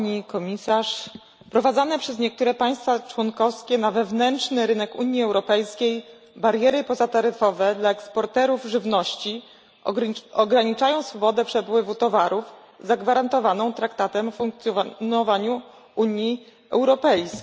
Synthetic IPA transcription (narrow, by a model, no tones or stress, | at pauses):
aɲikɔmʲisaʂ | pɾɔvad̪zanɛpʂɛzɲɛk̚t̪uɾɛpaj̃st̪fat͡ʂwɔnkɔfskʲɛnavɛvnɛntʂnɘɾɘnɛkuɲjiɛwɾɔpɛjskʲej | baɾjɛɾɘpɔzat̪aɾɘfɔvɛd̪laɛkspɔɾt̪ɛɾuvʐɘvnɔɕt͡ɕi | ɔɡɾaɲit͡ʂajɔ̃w̃sfɔbɔd̪ɛpʂɛpwɘvut̪ɔvaɾuv | zaɡvaɾant̪ɔvanɔ̃w̃t̪ɾakt̪at̪ɛmfuŋk̚t̪sʲjnɔvaɲu | uɲji | ɛwɾɔpɛjs